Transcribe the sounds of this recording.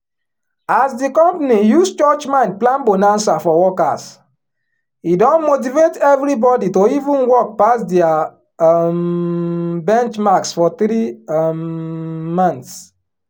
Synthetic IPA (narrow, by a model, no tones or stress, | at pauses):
asdikɔ̃mpanijust͡ʃɔt͡ʃmãnd̚plãnbonãnsafɔwɔka̰s | idɔ̃nmot̬ivetɛvɹibɔditoivũnwɔk̚pasdɛa | m | bɛ̃nt͡ʃmaksfɔt̪ɾi | mãnts